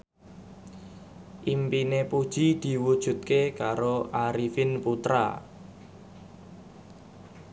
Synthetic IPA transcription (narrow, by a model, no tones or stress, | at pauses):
ʔimpinepud̥ʒ̥id̪̥i̤wud̥ʒ̥ṳt̪̚kekaɾoʔaɾifɪnput̪ɾa̰